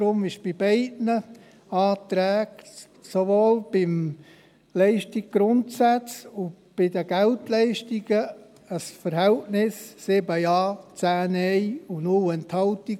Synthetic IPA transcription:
ɾʊmɪʃb̥ɪbɛɪdnə | ɑːt̪ɾɛːk | sovoːlb̥ɪm | lɛɪʃtik̚ɡ̥ɾʊntsæt͡sʊ | b̥ɪdəɡ̥ɛltlɛɪʃtiɡ̥ə | əsfəɾɦɛltnɪsːɪbəjɑːt͡sæːnɛɪʊnulɛnthɑlti

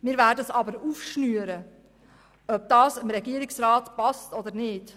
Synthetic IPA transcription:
mɪːɾvæːɾdəsɑbəɾuːfʃnyːəɾə | œb̚d̥ɑːsɪmɾɛɡiəɾɪksɾɑːtpɑstɔd̪əɾnɪːd̥

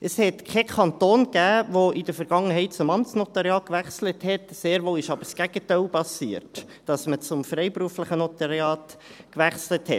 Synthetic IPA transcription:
ʔəshɛtkʰɛkʰɑnt̪oːnɡ̥æːʋoʔɪd̥əfəɾɡ̥ɑŋːəɦɛɪt̚t͡sʊmɑmtt͡snɔt̪ɑɾjɑːkʋæχsləthɛtseːɾʋoːɪʃɑbəɾsɡ̥æɡ̥ətɛɪlpɑsiːəɾt | d̥ɑsmət͡sʊmfɾɛɪpɾuəfləχənɔt̪ɑɾjɑːtkʋæχsləthɛt

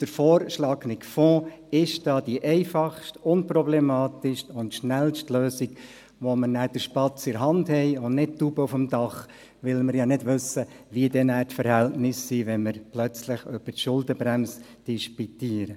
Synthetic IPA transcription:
d̥əɾfɔːɾʃlɑːɡnɪkfɔ̃ːɪʃd̥ɑːd̥iʔɛɪfɑχʃtʊnprɔblɛmɑːtɪʃtʊntʃnɛlʃtløːsiɡ | ʋomənæːd̥əʃpɑt͡sɪɾɦɑndhɛɪʊndnɪt̚tubəufəmdɑχ | ʋɪlməɾjɑnɪdʋɵsːə | ʋiədɛnæːtfəɾhɛltnɪsːiːʋɛnməɾplœt͡slɪχøb̥ətʃʊldəbɾæms | d̥iʃpitiːəɾə

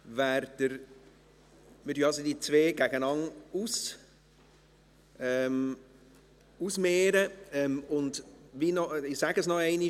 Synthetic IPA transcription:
væɾd̥əɾ | mɪd̥yɑsodiːt͡sveːɡ̥æɡənɑŋus | ɛm | usmeːɾəɛmʊndvinɔɪsæɡəsnɔɛɪni

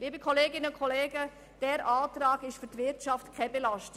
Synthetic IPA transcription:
liːbəkʰχoleːɡɪnəʊnkʰɔleːɡə | d̥ɛɾʔaːtɾɑːɡɪʃfyɾtʋɪɾtʃɑftkʰɛbelɑʃt

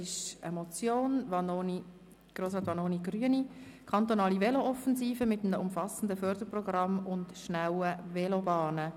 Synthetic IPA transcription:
ɪʃəmɔt͡sjoːnvɑnoni | ɡ̥ɾoːsɑːt̪ʋɑnoːniɡryənikʰɑnt̪onɑːliʋɛloʔɔfənziːfəmɪtːəməʊmfɑsən̩dəfœɾdəɾprɔɡrɑmʊntʃnawəvɛlobɑːnə

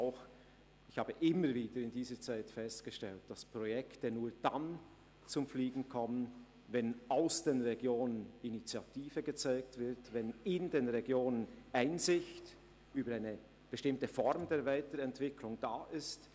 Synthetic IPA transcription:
aʊx | ɪçhaːbəʔɪməɾviːdəɾɪndiːzət͡saɪtfɛstɡ̥əʃtɛlt̚d̥aspʁ̥ɔjɛktənuːɐd̥an | t͡sʊmfliːɡŋ̩kʰɔmən | vɛnaʊsd̥eːnʁeɡjoːnəninit͡sjatʰiːvəɡət͡saɪk̚tv̥ɪʁtvɛnɪndeːnʁeɡjoːnənʔaɪnzɪçt | yːbəɾaɪnə | b̥əʃtɪmtəfɔɾmdeːɐvaɪtəɾɛntv̥ɪkʰlʊŋd̥aːʔɪst

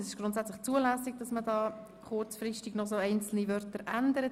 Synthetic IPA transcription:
sɪʃɡ̥ɾʊntsæt͡slɪχt͡suəlæːsiɡ̚d̥ɑsmədɑː | χʊrt͡sfrɪʃtɪɡ̥nɔsoːɛɪnt͡sl̩nivœɾtəɾændəɾə

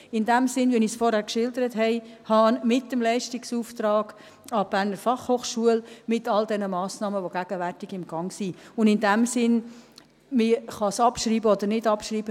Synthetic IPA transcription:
ɪndæmsɪnvinisfɔɾhæːɾkʃɪldəɾəthɛɪhɑnmɪtːəmlɛɪʃtɪksuːftɾɑːɡ̥ | ɑb̥æːrnəɾfɑχhoːχʃuəlmɪtɑldɛnəmɑːsnɑːməʋoɡ̥æɡ̥əvæɾtɪɡɪmɡ̥ɑŋsiʊndɪndæmsɪn | mɪχɑsɑpʃɾiːbəɔd̪əɾnɪdɑpʃɾiːbə

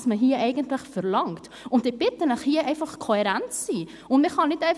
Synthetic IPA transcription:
sməɦiːəʔɛɪɡəntlɪχfɛɾlɑŋt | ʊndɪb̥ɪtənəχhiəʔɛɪfɑχkʰohɛɾænt͡sːiː | ʊndmɪχhɑnɪtɛɪ

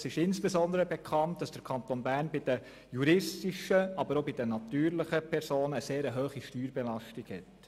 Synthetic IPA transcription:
sɪʃɪnsb̥ɛsɔnd̪əɾəbɛkʰɑnt̚d̥ɑsd̥əɾkʰɑnt̪onbæːɾnbɪd̥ə | juɾɪstiʃəɑbəɾobɪd̥ənɑtyːɾlɪχəpʰɛɾsoːnəːseːɾəɦøːχiʃtyːɾbɛlɑʃtiɡhɛ̰t

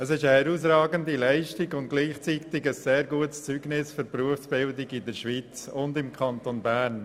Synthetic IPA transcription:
əsɪʃəhɛɾuːs̬rɑːɡəndilæɪʃtɪɡʊnt̚ɡ̥liːχt͡sit̪ɪɡəsːeːɾɡuətst͡syɡnɪsfʏɾpɾuəfsb̥ɪldɪɡɪdəɾʃʋit͡sʊndɪmkʰɑnt̪onbæːɾn

